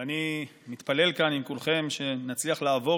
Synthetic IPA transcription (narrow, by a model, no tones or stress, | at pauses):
animit̪pale̞lkanimkulχe̞mʃe̞nat͡sliaχlaːvo̞